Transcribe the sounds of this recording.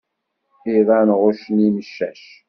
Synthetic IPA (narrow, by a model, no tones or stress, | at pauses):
iðˤænʁʊʃəniməʃːæ̰ʃ